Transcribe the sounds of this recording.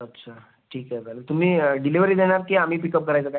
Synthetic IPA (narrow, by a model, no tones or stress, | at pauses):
ətːɕʰa | ʈʰiːkɛbɛlət̪um̤iːəɖiliʋəɾiːd̪eɽ̃aɾkiam̤iːpikəp̚kəɾajt͡səːkaj